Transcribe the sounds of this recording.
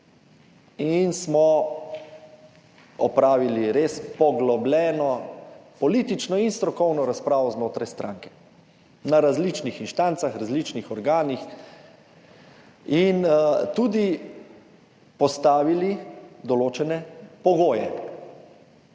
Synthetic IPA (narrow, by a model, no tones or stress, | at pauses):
insmɔ | ɔpɾaːʋiliɾeːspɔɡlɔblʲɛːnɔpɔliːt̪it͡ʃnɔinst̪ɾɔkɔwnɔɾaspɾaːʋɔznoːt̪ɾajst̪ɾʔaːŋkɛ̥ | naɾazlit͡ʃnixinʃt̪aːnt̪saxɾazlit͡ʃnixɔɾɡaːnix | int̪uːd̪i | pɔst̪aːʋilid̪ɔloːt͡ʃɛnɛpɔɡoːjɛ